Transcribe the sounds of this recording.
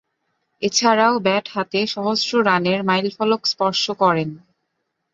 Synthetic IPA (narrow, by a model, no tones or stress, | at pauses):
et͡ɕʰaɾaobɛʈhat̪eʃɔɦosɾoɾaneɾmajlfɔlokspɔɾʃokɔɾen